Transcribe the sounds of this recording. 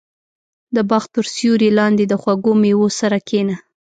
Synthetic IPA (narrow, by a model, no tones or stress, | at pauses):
d̪əbɑxt̪̚pəɾsjuɾilɑnd̪ed̪əxwaɡomewosaɾakʰena